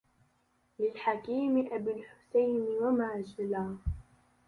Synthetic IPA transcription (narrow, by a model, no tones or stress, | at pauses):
lɪlħakiːmɪʔabilħʊ̥sajnwamaʕd͡ʒalaː